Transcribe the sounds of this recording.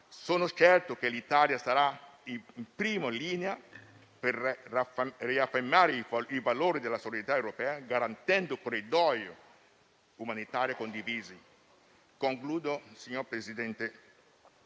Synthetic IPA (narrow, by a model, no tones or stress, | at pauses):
soːnʊt͡ʃɛrt̪ok̟elit̪aːljasaɾa | impɾiːmoliːnea | per | riafːemːaːɾeivaloːɾid̪elːasot͡ʃet̪aewɾopɛːaɡaɾant̪ɛnd̪okorːid̪ɔjo̰ | umanit̪aːɾjokond̪iviːzi | koŋkluːd̪osiɲːoɾpɾezid̪ɛnt̪e